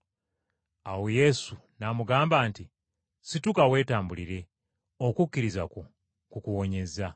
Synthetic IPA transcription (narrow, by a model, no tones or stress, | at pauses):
awoje̞sunamuɡaːmbaːnti | situkawe̞ːtaːmbuliɾe̞ | o̞kukːiɾizako | kukuwo̞ɲe̞za